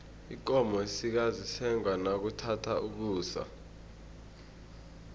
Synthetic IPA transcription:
ik̬ɔmɔesik̬azisɛŋwanak̬utʰatʰauk̬uːsa̰

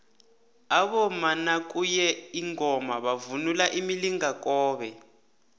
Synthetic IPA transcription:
aβɔmanak̬ʼujɛiŋɔmaβavunulaʔimiliŋak̬ʼɔːβɛ

